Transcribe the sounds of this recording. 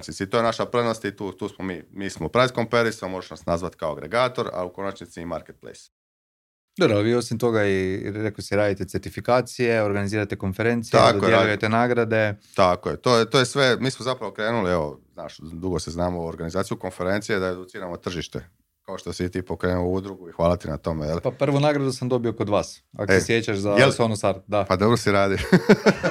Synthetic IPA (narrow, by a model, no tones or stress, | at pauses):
t͡ʃnit̪sit̪ojenaʃapɾenost̪it̪uːt̪uːsmomiːmiːsmopɾaiskompeɾisamoʒeʃnasnazʋat̪kaoaɡɾeɡaːt̪o̞ɾa̰uko̞nat͡ʃnit̪siːmaɾket̪̚plḛjs | d̪obɾoalʋiːo̞simt̪o̞ɡaiɾekosiɾaːd̪it̪e̞t̪e̞ɾt̪ifikaːt̪sije̞o̞ɾɡaniziːɾat̪eko̞nfeɾe̞nt̪siakdodoelˠuje̞t̪e̞naːɡɾad̪e̞t̪akojet̪oːjet̪oːjesʋemiːsmozapɾaʋokɾeːnulieʋo̰znaːʃd̪uɡoseznaːmooɾɡanizaːt̪sijuko̞nfeɾent̪sijed̪aed̪ut̪siːɾamo̞t̪r̩ʒiʃt̪ḛ | kaoʃt̪o̞sit̪iːpokɾeːnuoud̪ɾuɡuixʋaːlˠat̪ina̰t̪o̞mejelpapr̩ʋunaːɡɾad̪usamd̪o̞bioko̞d̪ʋaːsa̰kosesjet͡ɕaʃzaelsonosaɾt̪d̪apad̪obɾosiɾaːd̪io